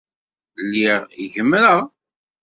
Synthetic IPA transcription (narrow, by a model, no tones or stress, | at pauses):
lːiʁiʝəmːɾəʁ